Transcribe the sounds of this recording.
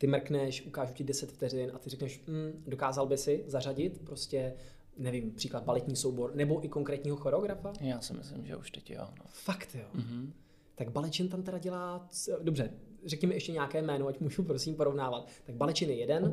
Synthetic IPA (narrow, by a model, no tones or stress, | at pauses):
t̪ɪmr̩knɛʃʔukaːʒucɪdɛsɛt̪ft̪ɛrɪnʔat̪ɪrɛknɛʃm̩do̞kaːzalbɪsɪzaraɟɪt̪pɾo̞scɛ | nɛvɪmpr̝̥iːklad̪̚balɛt̪ɲiːsowboɾnɛbo̞ʔɪko̞ŋkɾɛːt̪ɲiːɦo̞xoɾoɡɾafajaːsɪmɪ̰slɪmʒɛ̰uʃt̪ɛcjo̰no̰fakt̪jo | t̪aɡbalɛt͡ʃɪnt̪amt̪ɛɾaɟɛlaːdo̞brɛrɛkɲɪmɪʔɛʃcɛɲaːkɛːmɛːnoacmuːʒupɾo̞simpo̞ɾo̞vnaːvat̪ːaɡ̚balɛt͡ʃɪnjɛjɛdɛn